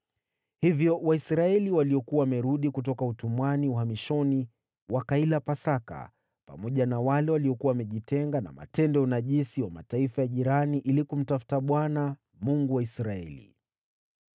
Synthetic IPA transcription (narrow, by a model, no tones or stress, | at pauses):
hivjɔwaisɾaɛliwaliɔkuawamɛɾuɗikutɔkautumwaniuhamiʃɔni | wakailapasaka̰ | pamɔʄanawalɛwaliɔkuwawamɛʄitɛŋɡana̰ma̰tɛndɔunaʄisiwamataifajaʄiɾaniʔilikum̩tafu̥taɓwana | muŋɡuwaisɾaɛ̰lḭ